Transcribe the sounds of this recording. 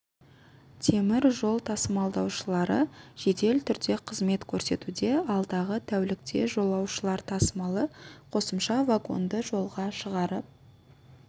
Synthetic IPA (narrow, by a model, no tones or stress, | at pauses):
t̪ʰe̞mɪɾʒo̞lˠt̪ʰɑsmɑlˠd̪ɑwʃəlˠɑɾəʒ̥e̞t̪e̞lt̪ʰʏɾd̪e̞qʰəzme̞t̪kʲʰɵɾse̞̰t̪ud̪e̞ɑlˠd̪ɑʁət̪ʰæwlɪk̚t̪ʰe̞̰ʒo̞lˠɑwʃəlˠɑɾt̪ʰɑsmɑlˠəqʰo̞səmʃɑvaɡo̞̰nd̪əʒo̞lˠʁɑʃəʁɑɾəp̚